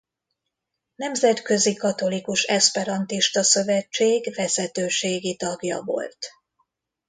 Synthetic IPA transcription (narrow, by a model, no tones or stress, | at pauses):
nɛmzɛt̪kø̞zikɒt̪o̞likuʃɛspɛɾɒnt̪iʃt̪ɒsø̞vɛt͡ʃːeːɡvɛzɛt̪øːʃeːɡit̪ɒɡjɒ̰vo̞̰lt̪